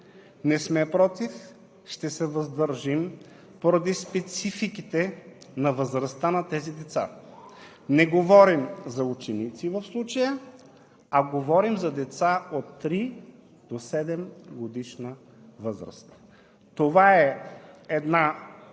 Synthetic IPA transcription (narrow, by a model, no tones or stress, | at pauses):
nɛsmɛpɾɔt̪if | ʃt̪ɛsɛvəzd̪əɾʒim | poɾɐd̪ispɛt̪sifikit̪ɛnɐvəzɾɐst̪anɐt̪ɛzid̪ɛt̪sa̰ | nɛɡovɔɾimzɐut͡ʃɛnit̪sivəfslˠut͡ʃəjə | ɐɡovɔɾimzɐd̪ɛt̪saot̪ːɾi | d̪̥osɛd̪ɛmɡod̪iʃnə | vɤzɾə̰st̪ | t̪ovaɛɛd̪na